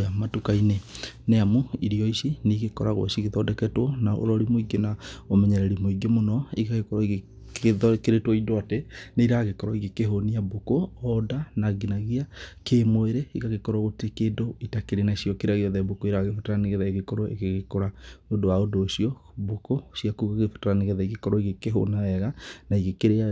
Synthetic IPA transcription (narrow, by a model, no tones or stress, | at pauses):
jamatukaineneamoiɾiɔisiniɣekɔɾaɣw̰ʃiɣeðɔdɛkɛtwɔnao̰ɾɔɾimoiɡenaomɛɲɛɾɛɾimoiɡemonɔiɣaɣekɔɾɔiɣe | keɾetwɔidoateneiɾaɣekɔɾɔiɣekeɦoniabokoɔdanaɡinaɣiakemoeɾeiɣaɣekɔɾɔɣotekeːdoitakeɾenaisiɔkeɾaɣeɔðɛbokoiɾaɣefotaɾaneɣeðaeɣekɔɾoʔḛɣeɣekoɾaodowaodoːʃiɔ | bokosiakuɣaɣefo̥taɾaneɣeðaiɣekɔɾɔiɣekeɦo̰naɛɣanaiɣekeɾea